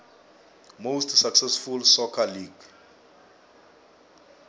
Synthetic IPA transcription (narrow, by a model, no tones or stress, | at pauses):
mostsaksɛsfulsɔkʰaliɡ